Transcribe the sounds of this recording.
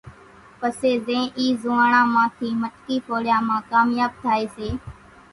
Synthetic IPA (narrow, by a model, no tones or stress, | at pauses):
pəseːzẽːʔiːzʊːãːɳãːmãːt̪ʰiːməʈkiːpoːɽɪjãːmãːkaːmjaːb̚t̪ʰaːeːseː